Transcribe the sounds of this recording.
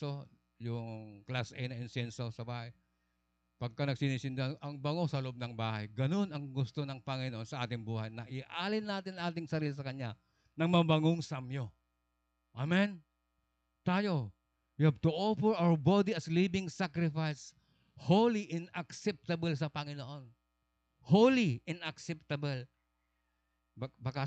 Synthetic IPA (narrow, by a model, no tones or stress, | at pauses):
o | jʊŋklasʔɛ̰jnɐɪnsɛnsosɐbaːhaj | pɐɡ̚kanɐɡ̚sɪnisɪnd̪aanʔɐŋbɐŋosɐlʊʔob̚nɐŋbaːha̰jɡɐnonɐŋɡʊst̪onɐŋpɐŋɪnoʔonsɐʔaːt̪ɪŋbuːhajnɐʔɪʔaːlɪnːaːt̪ɪnŋʔaːt̪ɪŋsɐɾiːlis̬ɐkɐɲa | nɐŋmɐbɐŋoŋsamjo | ʔamɛn | t̪aːjo | wihab̚t̪uofɛɹʔawbad̪iɐslibɪŋsakɾɪfajs | howliʔɪnɐksɛp̚t̪ɐbɛls̬ɐpɐŋɪnoʔon | howliʔɪnɐksɛp̚t̪ɐbɛl | bbɐka